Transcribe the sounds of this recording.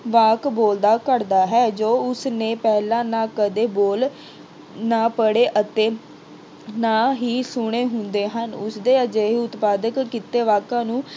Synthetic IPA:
ʋaːkboːld̪aːkəɾd̪aːɦɛːd͡ʒoːʊsnẽːpɛːlãːnaːkəd̪eːboːl | naːpəɽeːʔət̪eː | naːɦiːsʊɽ̃eːɦʊnd̪eːɦənʊsd̪eːəd͡ʒeːɦiːʊt̪paːd̪əkːɪt̪eːʋaːkãːnũː

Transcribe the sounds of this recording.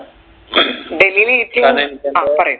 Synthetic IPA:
ɖeliliːt̪ʰiapəɾẽ

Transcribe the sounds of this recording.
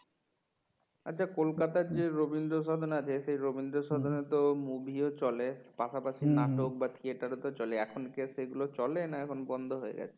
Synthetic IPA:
a̰tːt͡ɕʰakolkat̪aɾd͡ʑeɾobind̪ɾoʃɔd̪ʱonat͡ɕʰesejɾobind̪ɾoʃɔd̪ʱonet̪omubʱiot͡ɕɔlepaʃapaʃinaʈok̚bat̪ʰieʈaɾot̪ot͡ɕɔleɛkʰonkeseɡulot͡ɕɔlenaɛkʰonbɔnd̪ʱoɦoḛɡɛ̰t͡ɕʰe

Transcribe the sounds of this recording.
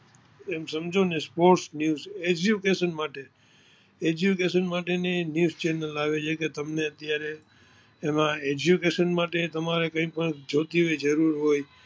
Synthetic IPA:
emsəmd͡ʒʱonespoɾʈsnjuzed͡ʒjukeʃənmaʈe | ed͡ʒjukeʃənmaʈenenjuzt͡ʃɛnəlaʋet͡ʃʰeket̪əmneət̪jaɾeː | mãed͡ʒukeʃənmaʈet̪əmaɾekə̃ĩpəɳd͡ʒʱot̪iʋed͡ʒəɾuɾɦoj

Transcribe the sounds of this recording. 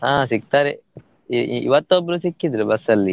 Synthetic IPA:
ãːsik̚t̪aːɾe | iḭʋɐt̪ːobːɾusikːid̪ɾubɐsɐlːi

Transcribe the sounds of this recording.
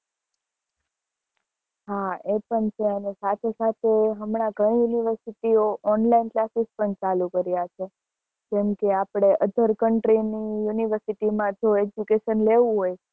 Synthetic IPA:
ɦaepəɳt͡ʃʰeənesat̪ʰesat̪ʰeɦəmɳaɡʱəɽ̃ijuniʋəɾsiʈioʔɔnlainklasispəɳt͡ʃalukəɾjat͡ʃʰe | d͡ʒɛmkeapɽ̃eʔəd̪ʱəɾkəɳʈɾinijuniʋəɾsiʈimãd͡ʒoed͡ʒukeʃənleʋũɦoj

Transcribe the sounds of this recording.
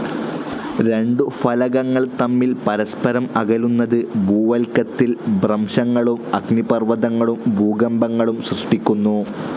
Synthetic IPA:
ɾe̞ɳɖufɐlɐɣɐŋːɐɭt̪ɐmːilpɐɾɐspɐɾɐmɐɣɐlunːɐðɨbʱuːʋɐlkːɐt̪ːilbrɐmʂɐŋːɐɭumɐɡnipɐrʋɐðɐŋːɐɭumbʱuːɡɐmbɐŋːɐɭumsrɐʂʈikʲːunːu

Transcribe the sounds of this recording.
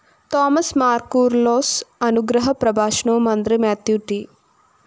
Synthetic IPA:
t̪ɔːmɐsmaːɾkuːɾloːsɐnuɡɾɐɦɐpɾɐbaːʃɳoːmɐnd̪ɾimaːt̪juːʈi

